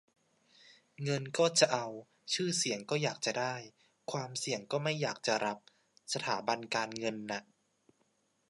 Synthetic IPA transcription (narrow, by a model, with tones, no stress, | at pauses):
ŋɤ˧nkɔː˥˩t͡ɕa˨˩ʔa˧w | t͡ɕʰɯː˥˩si˩˦əŋkɔː˥˩jaː˨˩k̚t͡ɕa˨˩daː˥˩j | kʰwaː˧msi˨˩˦əŋkɔː˥˩ma˥˩jːaː˨˩k̚t͡ɕa˨˩ɾa˦˥p̚ | sa˧t̪ʰaː˩˦ba˧nkaː˧nŋɤ˧nːa˦˥ʔ